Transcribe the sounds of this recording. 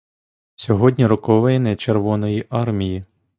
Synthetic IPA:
sʲɔɦɔdʲnʲiɾɔkɔʋɛjnɛt͡ʃerʋɔnɔjiʔɑrmʲiji

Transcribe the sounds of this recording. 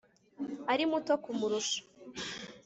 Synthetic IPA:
aɾimuto̞kumuɾuʃḁ

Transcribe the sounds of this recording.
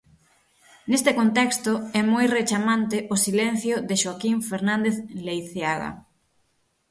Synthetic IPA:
nest̪ekont̪ɛkst̪ʊɛmojret͡ʃamãnt̪ɪʔosilɛn̟θjʊðɪʃoakiɱfeɾnãnd̪eθlejθjaɣa̰

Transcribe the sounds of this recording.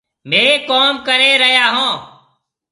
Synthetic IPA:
meːkoːmkəɾeːɾəɦjaːɦõː

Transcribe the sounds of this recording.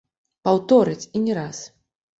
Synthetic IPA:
pawt̪ɔɾɨt͡sʲinʲɛɾas

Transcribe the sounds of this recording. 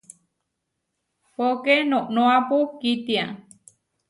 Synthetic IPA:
pokenõʔnõapukit̪ia

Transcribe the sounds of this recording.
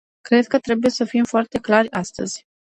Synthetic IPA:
kɾe̞d̪̚kət̪ɾe̞buje̞səfimfoart̪e̞klarʲast̪ə̰z̥ʲ

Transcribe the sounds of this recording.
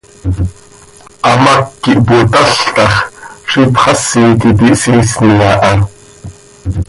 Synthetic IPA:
amakːiʔput̪aɬt̪ɑχʂipχɑsːiːt̪it̪iʔsiːsnijaːʔɑ

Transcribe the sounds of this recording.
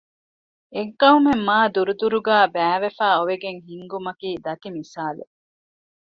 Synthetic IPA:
eŋkɐɦumemːaːd̪uɾud̪uɾuɡæːbæːʋefæːoʋeɡeŋɦiŋɡumɐkiːd̪ɐt̪imisaːlḛ

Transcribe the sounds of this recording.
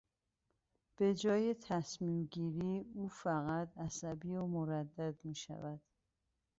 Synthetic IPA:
b̥e̞d͡ʒɒːjet̪ʰæsmiːmɟiːɾiːuːfæɣæt̪ʰæsæbiːomoɾæd̪ːæd̪miːʃæ̰væd̪̥

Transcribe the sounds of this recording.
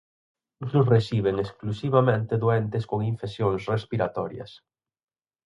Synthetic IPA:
ut̪ɾʊsresiβ̞eŋesklusiβamẽnt̪eðoɛnt̪ɪskoŋiɱfesjoŋsrespiɾat̪ɔɾjɐ̰s

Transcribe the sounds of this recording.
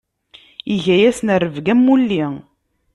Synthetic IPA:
iʝæjæsnərːəvɡæmːulːi

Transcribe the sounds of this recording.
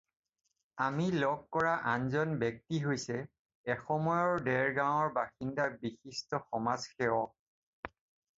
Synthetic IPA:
amilɔɡ̚kɔɹaʔanzɔnbɛk̚tiɦojsɛ | ɛxɔmɔjɔɹdɛɹɡaw̃ɔɹbaxindaɹbixistɔxɔmazxɛɔ

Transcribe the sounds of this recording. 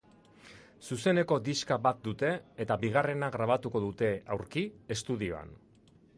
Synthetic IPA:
suse̞ne̞ko̞d̪iskaβat̪̚d̪ut̪e̞ːt̪abiɣ̞are̞naɣɾaβ̞at̪uko̞ðut̪e̞awɾkiest̪uðio̰a̰n

